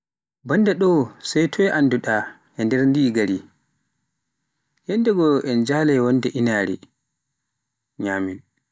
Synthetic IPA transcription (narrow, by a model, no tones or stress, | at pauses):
bandɛɗɔsajtʰɔɛʔanːduɗa | ɛndɛɾndiːɡaɾi | hɛndɛɡɔʔɛnd͡ʒaːlɛwɔndɛʔinaːɾḭ | ɲaːmin